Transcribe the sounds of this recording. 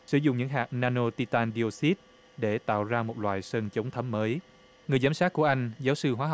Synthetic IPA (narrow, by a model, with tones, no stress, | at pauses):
sɨ˧˩zʊ̰˧˨ŋ͡mɲɨ̰˧˥ŋɦaː˨˩k̚naː˧no˧t̪i˧t̪aː˧nɗi˧o˧si˦˥t̚ | ɗe˧˩t̪a̰ː˧˨wzaː˧mo˨˩t̚lwa̰ː˧˨jsəː˧nt͡ɕə˨˦wŋ͡mt̪ʰə˨˦mːəː˨˦j | ŋɨ˨˩əjzaː˨˦msaː˦˥k̚ku˧˩əʔa˧jŋ̟zaː˨˦wsɨ˧ɦwaː˨˦ɦ